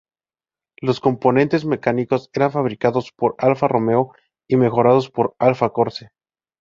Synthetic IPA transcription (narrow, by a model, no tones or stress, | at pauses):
lo̞sko̞mpo̞nẽ̞nt̪e̞zme̞kaniko̞se̞ɾaɱfaβɾikaðo̞spo̞ɾalfarʔo̞me̞o | ime̞xo̞ɾað̞o̞spo̞ɾalfako̞ɾse